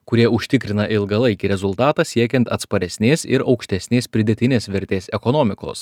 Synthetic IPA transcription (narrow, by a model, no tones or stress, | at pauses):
kʊɾʲiɛʊʃʲt̪ʲɪkɾʲɪnɐʔɪlˠɡɐlˠɐɪkʲiɾʲɛzʊlˠt̪ɑːt̪ɑːsʲiɛkʲɛnt̪ɐ̰t̪spɐɾʲɛsʲnʲeːsɪɾɒʊkʃʲt̪ʲɛsʲnʲeːspʲɾʲɪd̪ʲɛt̪ʲɪnʲeːsʋʲɛɾʲt̪ʲeːsɛkɔnoːmʲɪko̰ːs